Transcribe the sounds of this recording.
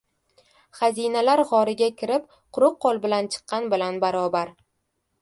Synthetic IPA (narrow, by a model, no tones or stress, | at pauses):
χazinalaɾʁɒɾɪɡʲakʲʰɪɾɪp̚ | qʰʊɾʊqːolˠbɪlant͡ʃʰɨ̥qːɑnbɪlanbaɾɒbaɾ